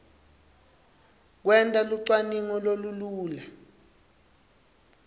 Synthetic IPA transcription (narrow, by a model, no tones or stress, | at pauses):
k̬wɛntʼaluǀwaniŋɔloluluːla